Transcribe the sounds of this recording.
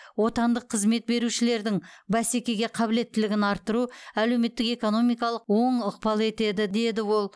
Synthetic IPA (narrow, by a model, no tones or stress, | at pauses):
wo̞t̪ɑnd̪əqʰːəzme̞t̪̚be̞ɾuʃɪle̞ɾd̪ɪŋbæse̞kʲe̞ɡʲe̞qʰɑbɪle̞t̪ːɪlɪɡʲɪnɑɾt̪ːəɾuæle̞wme̞t̪ːɪke̞ko̞no̞mijkɑlˠəqwo̞ɴəq̚pɑlˠe̞t̪e̞d̪ɪd̪e̞d̪ɪwo̞lˠ